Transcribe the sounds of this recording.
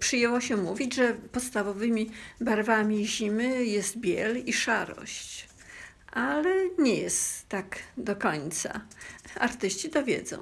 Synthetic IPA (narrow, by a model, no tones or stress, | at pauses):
pʂɘjɛwɔɕɛmuvʲid͡ʑʐɛpɔt̪st̪avɔvɘmʲibaɾvamʲiʑimɘjɛst̪̚bʲjɛliʂaɾɔ̰ɕt͡ɕ | ʔalɛɲɛjɛst̪ːaɡd̪ɔkɔɲt̪sa̰aɾt̪ɘɕt͡ɕit̪ɔvʲjɛ̰d̪zɔ̰̃w̃